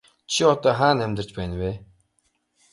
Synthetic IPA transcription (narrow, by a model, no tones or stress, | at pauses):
t͡ɕʰiɔt̪ɔːχaːnæmʲt̪ə̆rt͡ɕpæːnweː